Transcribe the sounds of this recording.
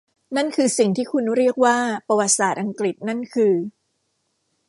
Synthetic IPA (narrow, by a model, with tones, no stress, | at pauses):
na˥˩nkʰɯː˧si˨˩ŋt̪ʰiː˥˩kʰu˧nɾi˥˩ək̚waː˥˩pa˧wa˨˩t̪̚saː˨˩t̪̚ʔa˧ŋkli˨˩t̪̚na˥˩nkʰɯː˧